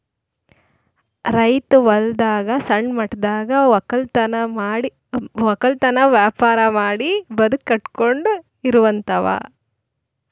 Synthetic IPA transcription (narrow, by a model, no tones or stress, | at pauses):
ɾɐjt̪uʋɐld̪aːɡɐsɐɳɖmɐʈd̪aːɡɐkɐlt̪ɐnɐaːɽi | ʋɐkɐlt̪ɐnɐʋjaːpaːɾɐmaːɽibɐd̪ukːɐʈkoɳɖu | iɾuʋɐnt̪ʰɐʋa̰ː